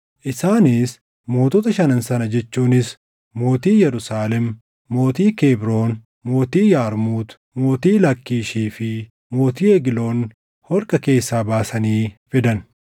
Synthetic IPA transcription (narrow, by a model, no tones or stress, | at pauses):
ʔɪsaːniːs | mo̞ːt̪ɔt̪ɐʃɐnɐnsɐnɐd͡ʒɛt͡ʃːuːnɪs | mo̞ːt̪iːjɛɾʊsaːlɛm | mo̞ːt̪iːkeːbɾo̞ːn | mo̞ːt̪iːjaːɾmuːt̪ | mo̞ːt̪iːlɐkːiːʃiːfɪ | mo̞ːt̪iːɛɡɪlo̞ːn | hɔɾkʼɐke̞ːsːaːbaːsɐniːfɪd̪ɐn